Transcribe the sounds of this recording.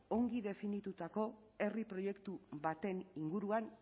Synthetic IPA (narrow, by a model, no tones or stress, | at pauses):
o̞ŋɡiðe̞finit̪ut̪ako̞ | e̞ripɾo̞je̞kt̪uβat̪e̞niŋɡuɾuan